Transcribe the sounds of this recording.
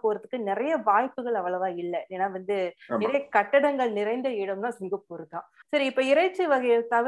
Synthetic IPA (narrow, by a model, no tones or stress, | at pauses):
poːɾɐðɯkːɯnɪɾɐjɐʋaːjpːɯɣɐɭɐʋːɐɭɐʋãːɪlːɛeːnːaːʋɐnd̪ɯnɪɾɐjɐkɐʈːɐɽɐŋɡɐɭnɪɾɐɪnd̪ɐɪɽɯmnaːsɪŋɡɐpɔɾɯt̪ːã̰ːsɐɾiɪpːoːɪɾɐɪt͡ʃːɯʋɐɣɐjɐɭt̪ɐʋ